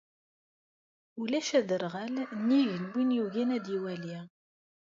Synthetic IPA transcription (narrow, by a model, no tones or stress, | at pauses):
ulæʃæd̪əɾʁælnːiʝənwinjuʝænæd̪iwæli